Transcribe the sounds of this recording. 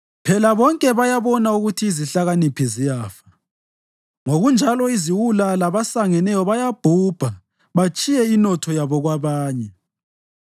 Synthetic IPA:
pʰɛlaβɔŋkʼɛβajaβɔnauɣutʰiːziɬaɣanipʰizijaːfḁ | ŋoɣund͡ʒʱalɔiziwulalaβasaŋɛnɛjɔβajab̥ʱub̥ʱa | βat͡ʃʼijɛinɔtʰɔjaβɔɣwaβaːɲɛ

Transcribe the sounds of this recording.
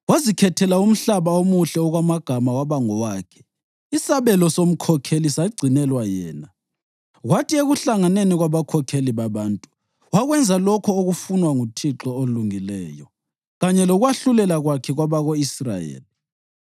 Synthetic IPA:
wazikʰɛtʰɛlaum̩ɬaβaomuɬɛɔɣwamaɡ̥ʱamawaβaŋɔwaːkʰɛ̥ | isaβɛlɔsom̩kʰɔkʰelisaɡ͡ǀʱinɛlwajɛːna | ɣwatieɣuɬaŋaneniɣwaβakʰɔkʰeliβaβaːntʼu̥ | waɣwɛnd͡zʱalɔkʰɔoɣufunwaŋutʰiǁɔoluŋilɛːjɔ | ɣaɲɛlɔɣwaɬulɛlaɣwakʰɛɣwaβaɣoisra̰jḛːli

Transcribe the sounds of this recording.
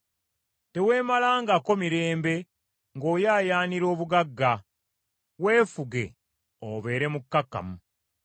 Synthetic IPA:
te̞we̞ːmalaːŋɡako̞miɾe̞ːmbe̞ | ŋɡo̞ːjaːjaːniɾo̞ːβuɡaɡːa | we̞ːfuɡe̞̰ | oβe̞ːɾe̞mukːakːa̰mu

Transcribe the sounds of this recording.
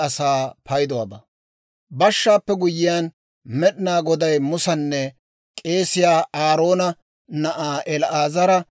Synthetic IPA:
ɐsaːpɐjd̪ɔwɐbɐ | bɐʃːaːpːɛɡʊjɪjaːn | mɛɗɪnaːɡɔd̪ɐjmʊsɐnːɛ | kʼe̞ːsɪjaːaːɾo̞ːnɐ | nɐʔaːʔɛlʔaːzɐɾɐ

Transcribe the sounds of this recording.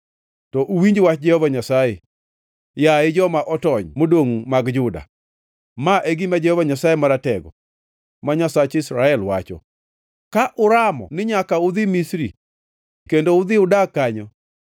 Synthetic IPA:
tɔʔuwiɲd͡ʒwat͡ʃd͡ʒɛhɔvaɲasaje | jaɪd͡ʒɔmaʔɔtɔɲmodoŋmaɡd͡ʒʊda̰ | maʔeɡimad͡ʒɛhɔvaɲasajemaɾatɛɡɔ | maɲasat͡ʃɪsɾaɛlwat͡ʃɔ̰ | kaʔʊɾamɔ̰nɪɲakaʊd̪ɪmisɾḭ | kendoʊd̪ɪʊdakaɲɔ

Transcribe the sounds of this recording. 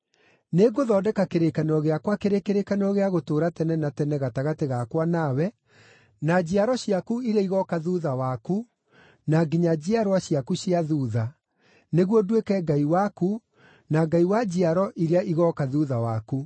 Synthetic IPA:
neɡoðɔːdɛkakeɾekanɔɣeakwakeɾekeɾekanɔɣeaɣotoːɾatɛnɛnatɛnɛɣataɣateɣakwanawɛ | nad͡ʑiaɾɔɕjakuiɾeiɣɔkaðuðawaku | naɡiɲad͡ʑiaɾwaɕjakuɕjiaðuːða | neɣwɔdwekɛɡaiwaku | naɡaiwad͡ʑiaɾɔʔiɾeaʔiɣɔkaðuðawaku

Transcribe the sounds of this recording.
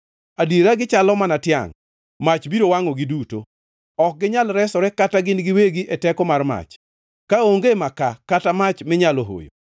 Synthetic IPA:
adiɾaɡɪt͡ʃalɔmanatja̰ŋ | mat͡ʃbiɾowaŋɔɡɪduto̰ | ɔk̚ɡɪɲalɾɛsɔɾɛkataɡɪnɡɪweɡiʔetɛkɔmarma̰t͡ʃ | kaoŋɡemakakatamat͡ʃmɪɲaloɦo̰jo̰

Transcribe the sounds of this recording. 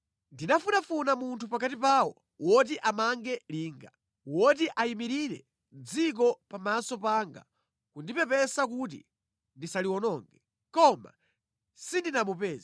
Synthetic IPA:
ndinafunafunamuntʰupakatipaːwɔ | wɔt̬iʔamaŋɡɛliːŋɡa | wɔt̬iʔaimiɾiɾɛ | nd͡zik̬ɔpamasɔpaːŋɡa̰ | kundipɛpɛsak̬ut̬ḭ | ndisaliwɔnɔːŋɡɛ | kɔma̰ | sindinamupɛːza

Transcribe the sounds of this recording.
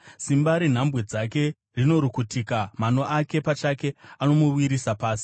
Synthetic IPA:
simbaɾin̤ambwed͡zake̞ | rino̞ɾukutikamano̞ʔake̞pat͡ʃake̞ano̞muwiɾisapaːsi̥

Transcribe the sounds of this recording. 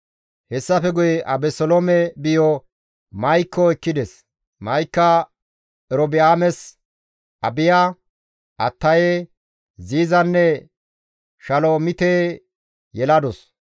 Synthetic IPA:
hɛsːɐfɛɡʊjɛʔɐbɛsɔlomɛbɪjɔ | mɐjkːɔɛkːɪd̪ɛs | mɐjkːɐ | ɛɾɔbɪaːmɛs | ʔɐbɪja | ʔɐt̪ːɐje | ziːzɐnːɛ | ʃɐloːmɪt̪eː | jɛlɐd̪ɔs

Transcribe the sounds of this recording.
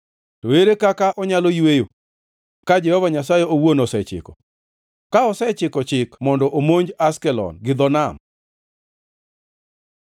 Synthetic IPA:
toeɾekakaʔɔɲalojwejo | kad͡ʒɛhɔvaɲas̬ajɛowonosɛt͡ʃɪ̰kɔ̰ | kaɔsɛt͡ʃɪkɔt͡ʃɪkmɔndɔʔomoɲd͡ʒaskɛlɔ̰nɡɪd̪ɔnam

